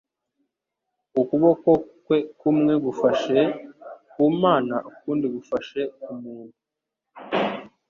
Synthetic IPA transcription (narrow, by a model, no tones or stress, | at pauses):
ukuβo̞kokwe̞kumŋe̞ɡufaʃekuːmaːnaʔukuːndiɡufaʃe̞umuːnu